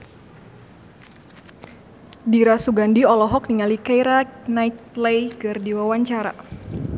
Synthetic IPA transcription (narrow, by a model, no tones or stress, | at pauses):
diɾasuɡandiɔlɔɦɔk̚niŋalikajɾanait̪̚lɛjkɨrdiwawaɲt͡ʃaɾa̰